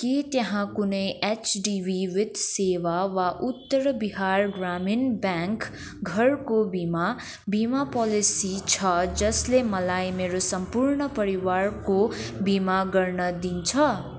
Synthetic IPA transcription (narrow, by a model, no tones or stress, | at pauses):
kit̪jʌɦãkunʌjet͡ʃɖiwiwid̪sewawaʔut̪ːʌɾbiɦarɡraminbjãŋk | ɡʱʌrkobima | bimapʌlisit͡sʰʌd͡zʌslemʌlajmeɾosʌmpuɾɳʌpʌɾiwarkobimaɡʌrnʌd̪int͡sʰʌ